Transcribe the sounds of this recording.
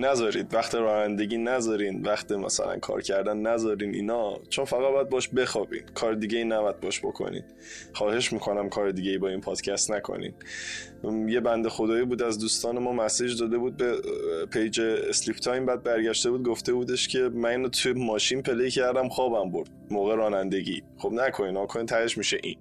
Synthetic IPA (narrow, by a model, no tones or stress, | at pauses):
næzɒːɾiːd̪væχt̪ʰiɾɒːnænd̪e̞ɟiːnæzɒːɾinvæxt̪ʰimæ̰sæ̰læ̰nkʰɒ̰ːɾcʰæɾd̪ænːæzɒːɾiːnḭːnɒt͡ʃʰonfæɣæd̪̚bɒjæd̪̚bɒʃbe̞xɒːbḭːnkʰɒːɾed̪iːɟeiːnæbɒæd̪̚bɒʃb̥o̞̰kʰo̰nḭn | xɒːhe̞ʃmiːkʰo̞næmkʰɒːɾed̪iːɡɟe̞jibɒːinpʰɒːd̪̥cʰæst̪nækʰo̰nḭːn | je̞bænd̪exo̞d̪ɒːibuːd̪æzd̪uːst̪ɒːne̞mɒːmæsiːd͡ʒd̪ɒːd̪e̞buːd̪̚bepʰejd͡ʒeslipʰt̪ʰɒːjmbæd̪̚bæɾɟæʃt̪e̞buːd̪̚ɡoft̪e̞buːd̪eʃcʰe̞mæniːnot̪ʰumɒːʃiːnpʰe̞lejcʰæɾd̪æmxɒːbæmboɾd̪̥moːɣeɾɒːnænd̪e̞ɟḭːxobnækʰo̞niːnhɒːkʰoniːnt̪ʰæheʃmiːʃeʔḭn